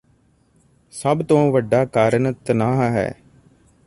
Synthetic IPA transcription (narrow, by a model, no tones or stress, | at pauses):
səbt̪õːʋəɖːaːkaːɾəɳt̪ənaːɦɦɛ̰ː